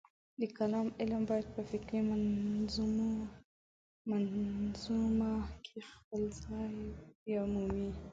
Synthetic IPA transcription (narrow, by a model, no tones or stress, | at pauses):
likalaːmʔɪlambat̪̚bafikɾimanzumu | manzumakʰixalzajjamumi